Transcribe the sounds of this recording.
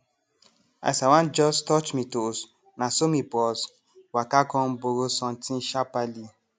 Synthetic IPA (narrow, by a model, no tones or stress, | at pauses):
a̰sawãnd͡ʒɔstɔt͡ʃmĩtos | nãsomĩpɔs | wakakɔ̃n̩boɾosɔ̃ntĩʃapali